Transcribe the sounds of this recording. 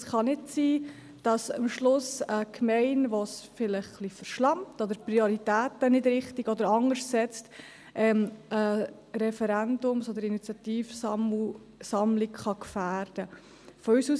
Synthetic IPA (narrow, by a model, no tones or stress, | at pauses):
sχɑnɪtsiː | d̥ɑsɑmʃlʊsəkʰmɛɪnʋɔsfɪləχχlifəɾʃlɑmtɔd̪əɾpɾioɾitæːtənɪdɾɪχtiɡɔd̪əɾɑŋəʃsɛt͡st | ʔɛmə | ɾɛfəɾændʊmsod̪əɾinit͡sjɑt̪iːfmu | sɑmlɪkχɑkfæːɾd̥ə | fɔysuːs